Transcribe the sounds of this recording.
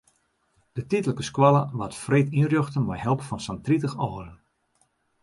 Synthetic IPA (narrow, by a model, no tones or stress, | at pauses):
d̥ətitələkəskwɔlˠəʋatfreːtirjøxtənmɔjhɛlˠpfɔnsantritəxɔːɾən